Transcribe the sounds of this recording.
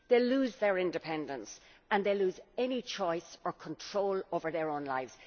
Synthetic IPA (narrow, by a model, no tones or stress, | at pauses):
ðeɪluːzðə˞ɪ̃ndɪpʰɛ̃ndə̃nsə̃nðeɪluːzɛnit͡ʃʰɔɪsə˞kʰə̃ntʰɹ̥oʊloʊvə˞ðə˞õʊ̃nlaɪvz̥